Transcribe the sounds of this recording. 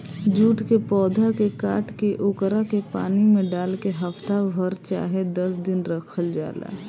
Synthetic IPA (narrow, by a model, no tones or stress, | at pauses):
d͡ʒuːʈkepɔːd̪ʱakekaːʈkeʔokɾakepa̰ːnimẽɖaːlkeɦəft̪abʱəɾt͡ʃa̰ːɦed̪əsd̪ɪnɾəkʰəld͡ʒa̰ːla̰ː